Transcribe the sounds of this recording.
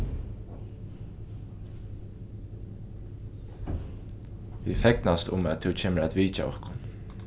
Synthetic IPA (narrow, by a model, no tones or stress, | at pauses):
ʋḭfɛknast̪ʊ̰mɛt̪ʰɛwcʰeːməɾæt̪ʋiːt͡ʃa̰ɔ̰hkʊn